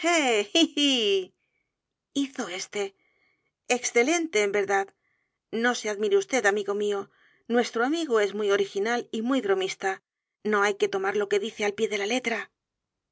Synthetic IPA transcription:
ei | iθo̞e̞st̪e̞ | eksθe̞le̞nt̪e̞ːmbe̞ɾðað | no̞se̞aðmiɾeust̪e̞ðamiɣo̞mio̞ | nwe̞st̪ɾoamiɣoe̞zmujo̞ɾixinalimujβɾo̞mist̪a | no̞ajke̞t̪o̞maɾlo̞ke̞ðiθe̞alpje̞ðe̞lale̞t̪ɾa

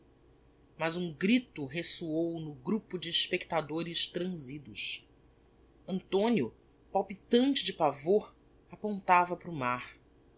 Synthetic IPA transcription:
mɐzũɡɾit̪ʊɦesuownʊɡɾupʊd͡ʒɪːʃpekt̪ad̪oɾɪʃt̪ɾɐ̃zid̪ʊʃ | ɐ̃nt̪õnjʊ | pawpit̪ɐ̃nt͡ʃɪd͡ʒɪpavoɾ | apõnt̪avɐpɾʊmaɾ

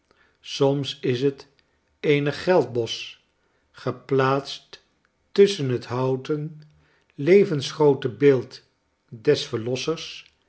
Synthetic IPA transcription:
sɔmsɪsət | ejnəχːɛlˠd̚bɔs | χəplaːtstː | ʏsənɦətɦɑwtən | lejvənsχrowtəbɪːlˠt | dɛsfəɹlɔsəɹs

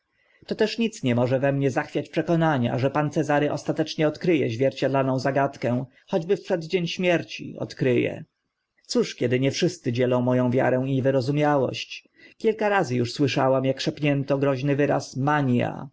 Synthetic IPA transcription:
t̪ɔt̪ɛʂɲit̪sɲɛmɔʐɛvɛmɲɛzaxfʲjat͡ɕpʂɛkɔnaɲa̰ʐɛpant̪sɛzaɾɘʔɔst̪at̪ɛt͡ʂɲɛɔt̪kɾɘjɛ̰ʑvʲjɛɾt͡ɕad̪lanɔ̃w̃zaɡat̪kɛ̃w̃ | xɔd͡ʑbɘfpʂɛd̪d͡ʑeɲɕmʲjɛɾt͡ɕḭɔ̰t̪kɾɘjɛ̰ | t̪suʂkʲɛd̪ɘɲɛfʂɘst̪sɘd͡ʑɛlɔ̃w̃mɔjɔ̃w̃vʲja̰ɾɛ̃w̃ivɘɾɔzumʲjawɔ̰ɕt͡ɕ | kʲilkaɾazɘjuʂswɘʂawamjakʂɛpɲɛnt̪ɔɡɾɔʑnɘvɘɾa̰smaɲja̰

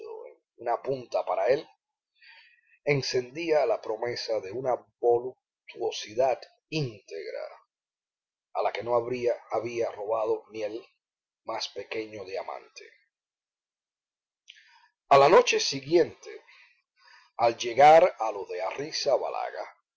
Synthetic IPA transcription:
o̰ḛŋ | unapunt̪apaɾae̞l | e̞ŋse̞nd̪ialapɾo̞me̞saðe̞unaβoluk̚ | t̪wo̞siðat̪ | int̪eɣɾa̰ | alake̞noβaβiaro̞βað̞o̞niel | maspe̞ke̞ɲo̞ðeamã̰nt̪ʰe | alano̞t͡ʃe̞siɣje̞nt̪e̞̰ | ald͡ʒe̞ɣaɾalo̞ðe̞arisaβa̰la̰ɣa̰

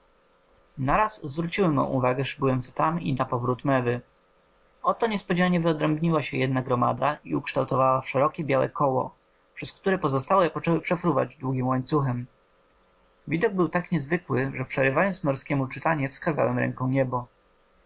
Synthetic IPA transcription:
naɾasːvɾut͡ɕiwɛmɔ̰̃ʔuvaɡɛʂbujɔntst̪amḭnapɔvɾut̪mɛvɘ | ɔt̪ɔɲɛspɔd͡ʑaɲɛvɘɔd̪ɾɛmbɲiwaɕɛjɛd̪naɡɾɔma̰d̪aḭukʂt̪awt̪ɔvawafʂɛɾɔkʲɛbʲjawɛ̰kʰɔwɔ̰ | pʂɛskt̪uɾɛpɔzɔst̪awɔipɔt͡ʂɛwɘpʂɛfɾuva̰d͡ʑd̪wuɡʲimwaɲt̪suxɛm | vʲid̪ɔɡ̚bɘwt̪akɲɛzvɘkwɘʐɛpʂɛɾɘvajɔnt̪snɔɾskʲɛmut͡ʂɘt̪aɲɛfskaza̰wɛmɾɛ̰ŋkɔ̃w̃ɲɛbɔ

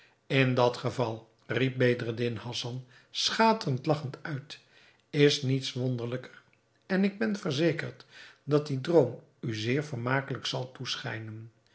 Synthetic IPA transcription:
ɪndɑtχəvɑlˠ | rip̚bejdrədɪnhɑsɑn | sχaːtəəntlɑχəntœɥt | ɪsnitsʋondəɹləkər | ɛnɪɡ̚bɛnvəɹzejkəɹtdɑtdidrowm | yzɪːɹvəɹmaːkələksɑlˠtusχɛ̰jnən

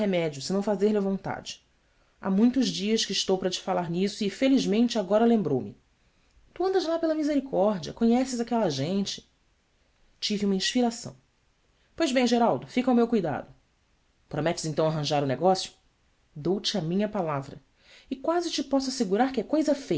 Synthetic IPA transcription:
hemɛd͡ʒiʊsɪnɐ̃w̃fazeɾlɪɐvõnt̪a̰d͡ʒɪ̥ | a̰mũj̃t̪ʊʒd͡ʒiɐʃkɪiʃt̪owpɐɾɐt͡ʃɪ̥falaɾnisʊɪfeliʒmẽnt͡ʃɪaɡɔɾɐlẽmbɾowmɪ̰ | t̪uɐ̃nd̪ɐzlapelɐmizeɾikʰɔɾd͡ʒiɐ̰kõɲɛsɪzakɛlɐʒẽnt͡ʃɪ̥ | t͡ʃiviũmɐĩʃpiɾasɐ̰̃w̃ | pojʒbẽj̃ʒeɾawd̪ʊfikɐwmewkujd̪a̰d̪ʊ | pɾomɛt͡ʃɪ̥zẽnt̪ɐ̃w̃aɦɐ̃ʒaɾʊneɡɔsjʊ̥ | d̪owt͡ʃɪamĩɲɐpalavɾɐ̰ | ɪkwazɪt͡ʃɪpɔsʊaseɡuɾaɾkɪɛkojzɐfe

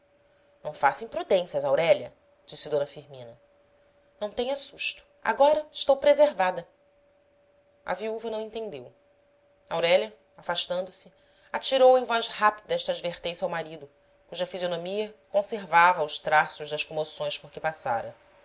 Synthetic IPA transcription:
nɐ̃w̃fasĩpɾud̪ẽsiɐzawɾɛʎɐ̰ | d͡ʒisɪd̪õnɐfiɾmĩnɐ | nɐ̃w̃t̪ẽɲɐsuʃt̪u̥a̰ɡɔɾɐɪʃt̪owpɾezeɾvad̪ɐ | ɐ̰viuvɐnɐ̃w̃ẽt̪ẽnd̪ew | awɾɛlɐ | afaʃt̪ɐ̃nd̪ʊsi | at͡ʃiɾowẽj̃vɔjzhapid̪ɐɛʃt̪ɐaːd͡ʒveɾt̪ẽsiawmaɾid̪ʊ | kuʒɐfizionomiɐkõseɾvavɐːwʃt̪ɾasʊʒd̪ɐʃkomosõj̃ʃpʊɾkɪpasa̰ɾɐ̰

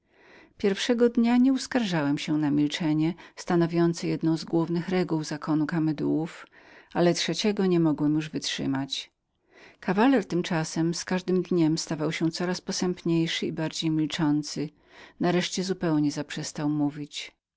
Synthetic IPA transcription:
pʲjɛɾfʂɛɡɔd̪ɲaɲɛuskaɾʐawɛmɕɛnamʲilt͡ʂɛɲɛst̪anɔvʲjɔnt̪sɨjɛd̪nɔ̃w̃zɡwuvnɘxɾɛɡuwzakʰɔnukamɛd̪uwuf | alɛtʂɛt͡ɕɛɡɔɲɛmɔɡwɛmjuʐvɘtʂɘ̰mat͡ɕ | kʰavalɛɾt̪ɘmt͡ʂasɛmskaʐd̪ɘmd̪ɲɛmst̪avawɕɛ̃t̪sɔɾaspɔsɛmpɲejʂɘibaɾd͡ʑejmʲilt͡ʂɔnt̪sɘ | naɾɛʂt͡ɕɛzupɛwɲɛzapʂɛst̪awmuvʲit͡ɕ

